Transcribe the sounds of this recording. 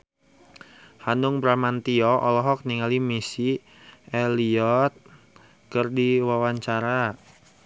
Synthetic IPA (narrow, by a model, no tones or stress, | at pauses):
hanuŋbɾamant̪iɔʔɔlɔɦɔk̚niŋalimisi | ɛliɔt̪̚ | kərdiwawaɲt͡ʃaɾa